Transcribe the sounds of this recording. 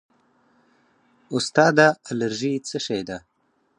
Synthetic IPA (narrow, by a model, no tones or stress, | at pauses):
ʊst̪ɑːd̪aːləɾʒit͡səʃajd̪a